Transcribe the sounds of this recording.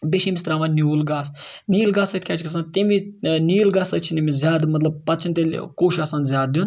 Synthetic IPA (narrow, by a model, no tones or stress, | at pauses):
beʃimisʲt̪ɾaːmanʲjuːlɡaːsniːlɡaːsɐt̪kʰʲaːt͡ʃʰikʰɐs̬aːnt̪iminiːlɡaːsɐt͡ʃʰinimizʲaːd̪mɐt̪lɐb̚pɐt̪̚t͡ʃʰint̪elʲkoːʃɐsaːnzʲjaːd̪d̪un